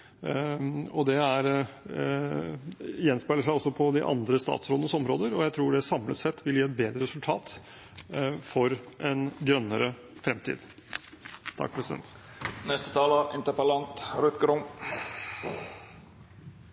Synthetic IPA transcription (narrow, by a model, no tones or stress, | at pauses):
ɔd̪ɛæɾ | jɛnspæɪləʂæɪɔsːɔpʰɔd̪ɪʔɑ̰nd̪ɾəst̪ɑ̰ːt̪sɾoːd̪ənəsɔmɾoːd̪əɾɔjæɪt̪ʰɾuːɖɛsɑmlət̪sɛt̪ʰːʋɪljiːɛt̪̚beːd̪ɾəɾɛsʉlt̪ʰɑːt̪ | fɔɾʔɛnɡɾœnːəɾə | fɾɛmt̪ʰḭːd̪ | t̪ʰɑ̰k̚ːpʰɾɛsɪd̪ɛ̰n | nɛst̪ət̪ʰɑːləɪ̰nt̪əpəlɑnt̪ɾʉt̪ɡɾʊŋ